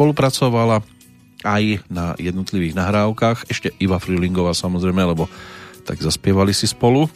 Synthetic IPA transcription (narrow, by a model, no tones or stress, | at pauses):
pɔlupɾat͡sɔʋala | ajnajɛd̪nɔt̪liʋiːɣnaɦɾaːʊkaːxɛʃcɛibafɾiːliŋɡɔʋaːsamɔzɾɛjmɛalɛbɔt̪a̰ɡzaspɪɛʋalisispɔlu